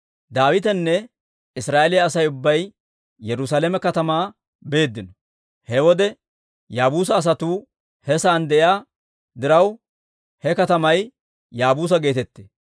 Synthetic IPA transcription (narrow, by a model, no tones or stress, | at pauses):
d̪aːwɪt̪ɛnːɛ | ɪsɾaːʔelɪjɐːsɐjʊbːɐj | jɛɾʊs̬alɛmɛkɐt̪ɐmaː | be̞ːd̪ːɪnɔ | hɛwɔd̪ɛ | jaːbuːs̬ɐːs̬ɐt̪uː | hɛsaːnd̪ɛjaː | d̪ɪɾɐw | hɛkɐt̪ɐmɐj | jaːbuːs̬ɐɡe̞ːt̪ɛt̪ːeː